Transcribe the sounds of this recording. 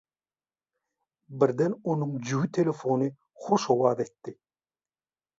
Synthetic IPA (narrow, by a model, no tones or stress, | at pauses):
biɾd̪enonuŋd͡ʒywit̪ʰelʲefonɯ | χoʃowɑːðet̪ːi